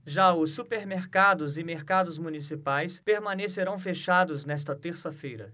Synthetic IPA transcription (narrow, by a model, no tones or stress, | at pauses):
ʒaʊsːupeɾmeɾkad̪ʊzɪmeɾkad̪ʊzmunisipajspeɾmɐ̃neseɾɐ̃w̃feʃad̪ʊznɛs̬t̪ɐt̪eɾsɐfejɾɐ̰